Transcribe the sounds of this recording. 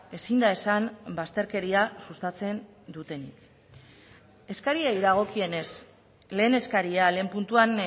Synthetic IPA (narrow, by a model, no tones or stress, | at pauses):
e̞sind̪ae̞sanbast̪e̞ɾke̞ɾiasust̪at͡se̞n | d̪ut̪e̞nḭk | e̞skaɾiejðaɣ̞o̞kie̞ne̞s | le̞ːne̞skaɾiale̞ːmpunt̪uan